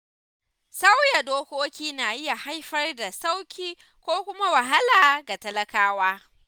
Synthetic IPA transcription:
sa˦wja˨doː˦kʷoː˦kʲiː˦naː˨jɪ˦ja˨ha˦jɸɐ˦rda˨sa˦wkʲiː˦ | kʷoː˦kʷʊ˦ma˦wa˨ɦa˦laː˨ɡa˨tɐ˦lɐ˦kaː˦waː˦

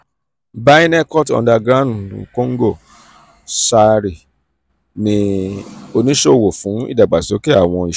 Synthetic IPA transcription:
ba˦i˦nɛ˦kɔ˦tɔ̰̃˧nda˧ɡɾã˦˨u˨ṵ̃˨kõ˦ŋ̩˦ɡo˦˨ | sa˧ɾi˨ | nĩ˧ | o˧nĩ˦ʃo˦o˨wo˨fũ˨˦ḭ˦˨da˨ɡ͡ba˨so˨˦ki˦a˦˨w̃ɔ̃˧i˨

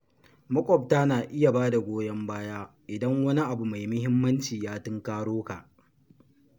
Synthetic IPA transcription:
mɐ˦kʷʼɔ˨p̚taː˦naː˨ʔɪ˦ja˨baː˦da˨ɡʷoː˦jɐ˦mbaː˦jaː˦ | ʔɪ˨dɐ˦ŋwɐ˦ni˦ʔa˨bu˨ma˨jmʊ˦hɪ˦mːɐ˦nt͡ʃiː˨jaː˦tʊ˦ŋkaː˦ɽoː˦ka˨ʔ

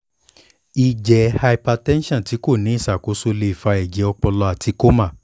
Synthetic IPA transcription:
i˨d͡ʒɛ˨˦ha˧i˧pa˧tɛ̃˦nʃã˦˨ti˨˦ko˦˨nĩ˨˦i˦˨sa˨ko˨˦so˧le˧i˨fa˧ɛ˨d͡ʒɛ˨˦ɔ˧k͡pɔ˧lɔ˧a˨tʰi˨˧˦ko˦ma˦˨

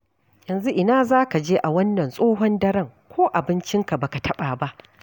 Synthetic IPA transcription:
jɐ˨nzu˦ʔɪ˨naː˦zaː˦ka˨d͡ʒeː˦ʔa˨wɐ˦nːɐ˨nsʼoː˦ɦɔ˦ndɐ˦ɾɐ˦ŋkʷoː˦ʔa˨bɪ˦nt͡ʃɪ˦ŋka˨ba˨ka˨tʰɐ˦ɓaː˨ba˦ʔ

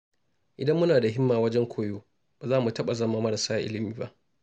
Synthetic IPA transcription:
ʔɪ˨dɐ˦mːʊ˦naː˨da˨ɦɪ˦mːaː˨wɐ˦d͡ʒɛ˦ŋkʷʰoː˨joː˦ | ba˨zaː˦mu˨tɐ˦ɓa˨zɐ˦maː˦mɐ˦ɾɐ˨saː˦ʔɪ˦lɪ˨miː˨ba̰˦ʔ

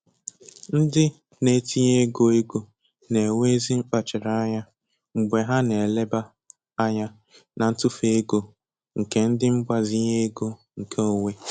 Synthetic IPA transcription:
n̩˦dɪ˦ | ne˨ti˦ɲe˦ɡo˨e˦ɡo˨ | ne˨we˦e˦zi˦ŋ͡m̩˦k͡pa˨t͡ʃɪ˨ɾa˨a˦ɲa˦ | ŋ͡m̩˨ɡ͡be˨ɦa˦ne˨e˨le˦ba˦ | a˦ɲa˦ | na˨n̩˦tʊ˦fe˦e˦ɡo˨ | ŋ̩˨ke˦n̩˦dɪ˦ŋ͡m̩˦ɡ͡ba˨zi˦ɲe˦e˦ɡo˦ | ŋ̩˨kʰe˦o˨we˦

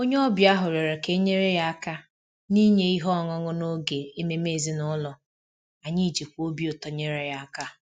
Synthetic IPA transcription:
o˦ɲe˦ɔ˦bja˦ɦʊ˨ɾe˨ɾe˨ke˦ɲe˦ɾe˦ja˦a˦ka˦ | ni˦ɲe˦i˦ɦɔ˦˨ŋɔ˦ŋʊ˦no˦ɡe˨e˦me˦me˦˨zi˦nʊ˦lɔ˨ | a˨ɲi˦˨d͡ʒi˨kʷo˦bi˦o˨tɔ˨ɲe˦ɾe˦ja˦a˦ka˦

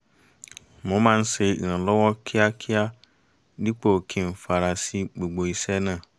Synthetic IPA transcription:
mʊ̃˨˦mã˦n̩˦se˦˨ã˨lɔ˦wɔ˦kʰɪ˦a˦kʰɪ˦a˦ | di˦k͡po˨kʰĩ˨m̩˨fa˨ɾa˨si˦ɡ͡bo˨ɡ͡bo˨i˨sɛ˦nã˦˨

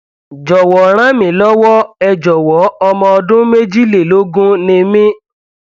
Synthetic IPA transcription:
d͡ʒɔ˨wɔ˨ɾ̃ã˦mĩ˨˦˨lɔ˦wɔ˦ɛ˨d͡ʒɔ˨wɔ˨˦ɔ˧mɔ̃˧ɔ˧dʊ̃˦me˦d͡ʒi˦le˨lo˦ɡũ˦nĩ˧mĩ˦

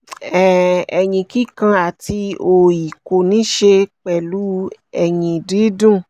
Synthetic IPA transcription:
ɛ˨ɛ˨ɲĩ˧˨ki˦kã˧a˨ti˧o˧ji˨ko˨nĩ˦ʃe˧k͡pɛ˨lu˨˦ɛ˨jĩ˨di˨˦dũ˦˨

